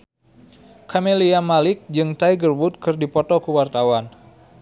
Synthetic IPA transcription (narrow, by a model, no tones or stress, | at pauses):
kʰameliamalɪk̚d͡ʒɨŋt̪aiɡərbʊt̪̚kɨrdipɔt̪ɔkəwart̪awan